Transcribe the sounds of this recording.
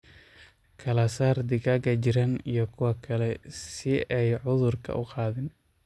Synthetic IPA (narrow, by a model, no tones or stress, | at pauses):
kʰɐlɐsaːrd̪ɪɡɐɡɐt͡ʃɪɾɐnijɞkʰʊwɑkʰɐlɛsɪɛjʕʊðʊrkʰɐ̰ʔʊqɑːðɪn